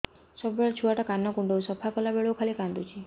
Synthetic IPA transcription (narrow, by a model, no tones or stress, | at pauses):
sɔbəɭt͡ʃʰuʋaʈakanːakuɳɖousəpʰakəlabeɭokʰalikãnd̪ut͡ʃʰi